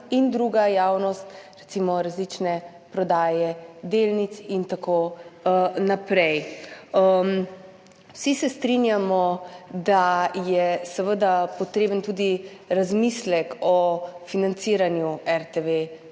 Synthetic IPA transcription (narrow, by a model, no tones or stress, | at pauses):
ind̪ɾuɡajawnɔst̪ɾɛt̪simɔɾazlit͡ʃnɛ | pɾɔd̪aːjɛd̪eːlnit̪sint̪ako | napɾɛj | m | wsisɛst̪ɾinjamɔd̪ajɛsəʋəd̪apɔt̪ɾeːbənt̪uːd̪iɾazmislɛkɔfinant̪siːɾanjuɛɾt̪eʋe